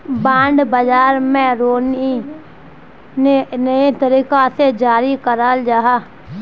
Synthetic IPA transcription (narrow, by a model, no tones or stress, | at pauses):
bãːɳɖbəd͡ʒaːɾmɛ̃ɾoːni | nenəet̪əɾiːkased͡ʒaːɾikəɾald͡ʒaːɦaː